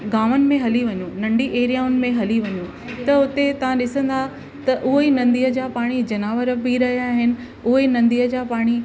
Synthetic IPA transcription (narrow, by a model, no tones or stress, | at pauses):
ɡaːʋənɪ̆mẽɦɐliʋɐɲũnɐ̃ɳɖiʔeːɾijaːʊnɪ̆mẽɦɐliʋɐɲũ | t̪ɐʊt̪et̪ɐʋ̤ãɗɪsə̃nd̪a | t̪ɐʔʊɦinɐ̃nd̪ijəd͡ʑaːpaːɽ̃id͡ʑɐnaːʋəɾbiɾɐɦijaːɦɪnɪ̆ | ʊɦinɐ̃nd̪ijəd͡ʑaːpaːɽ̃i